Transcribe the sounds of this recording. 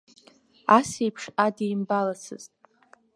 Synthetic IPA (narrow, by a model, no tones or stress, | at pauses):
asejpʰʂadijmbalat͡sʰɨ̰ztʼ